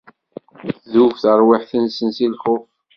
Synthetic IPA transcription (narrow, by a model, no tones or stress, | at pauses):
θðufθəɾˤwɪħθənsənsilχʊf